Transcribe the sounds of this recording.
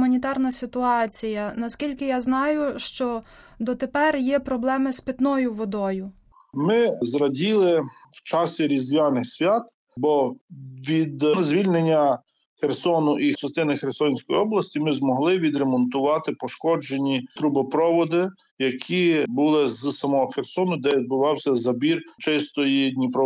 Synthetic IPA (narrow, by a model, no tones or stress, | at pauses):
mɐnʲit̪ɑrnɐsʲɪt̪ʊɑt͡sʲijɐnɐskʲilʲkɪjaznɑjʊʃt͡ʃɔ | d̪ɔt̪epɛrjɛpɾɔblˠɛmɪspʲɪt̪nɔjʊʋɔd̪ɔjʊ | mɪzɾɐdʲilˠɪwt͡ʃɑsʲiɾʲizʋʲɑnɪxsʲʋʲat̪ | bɔʋʲid̪zʲʋʲilʲnenʲːɐ | xersɔnʊʔit͡ʃɐst̪ɪnɪxersɔnʲsʲkɔjiɔblˠɐsʲtʲimɪzmɔɦlˠɪʋʲid̪ɾemɔnt̪ʊʋɑt̪ɪpɔʃkɔd͡ʒenʲit̪ɾubɐpɾɔʋɔd̪ɪ | jɐkʲʰibʊlˠɪzsɐmɔɦɔxersɔnʊd̪ɛʋʲid̪̚bʊʋɑwsʲɐzɐbʲirt͡ʃɪst̪ɔjid̪ʲnʲipɾɔ